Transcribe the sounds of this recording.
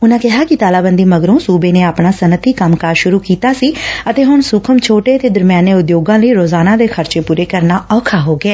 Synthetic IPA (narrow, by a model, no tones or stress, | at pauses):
ʊnãːkɪɦaːkɪt̪aːlaːbənd̪iːməɡɾõːsuːbeːneːaːpɳaːsənət̪iːkəmkaːɾʃʊɾuːkiːt̪aːsiːət̪eːɦʊɳsuːkʰəmt͡ʃʰoːʈeːət̪eːd̪əɾmjaːneːʊd̪joːɡãːləiːɾoːzaːnãːd̪eːkʰəɾt͡ʃeːpuːɾeːkəɾnaːɔːkʰaːɦoːɡɛː